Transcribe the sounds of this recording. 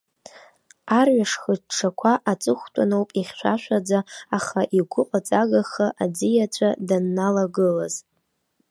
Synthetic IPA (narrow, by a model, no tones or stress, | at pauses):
arɥaʂχəʈ͡ʂʰakʷʰaʔat͡sʼɨχʷtʼanowpʼiχʲʃʷᶣa̰ʃʷᶣad͡zaaχaʔiɡʷʊqʷʼat͡sʼaɡaχaʔad͡zijat͡ɕʷʰadanːalaɡɨlaz